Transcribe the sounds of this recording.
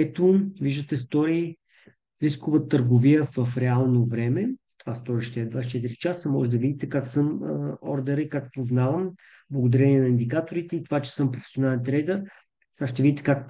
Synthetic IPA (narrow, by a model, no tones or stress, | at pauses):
ɛt̪oviʒd̪ət̪ɛst̪ɔɾiː | ɾiskovət̪əɾɡoviəvəfɾɛalˠnovɾɛmɛt̪ovast̪ɔɾiʃt̪ɛːd̪vast͡ʃɛt̪iɾit͡ʃasəmɔʒɛd̪ɐvid̪it̪ɛkaksɤmɔ̰ɾd̪ɛɾəikakpoznavəm | blˠɐɡod̪ɐɾɛniɛnɐind̪ikat̪oɾit̪ɛit̪ovat͡ʃɛ̥sɤmpɾofɛ̥sionalɛnt̪ɾɛjd̪əɾ | saʃt̪ɛvid̪it̪ɛ̥kak